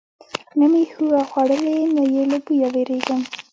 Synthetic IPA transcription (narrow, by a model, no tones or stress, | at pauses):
namihuwaxwaɽəlenajelobujaweɾeɡəm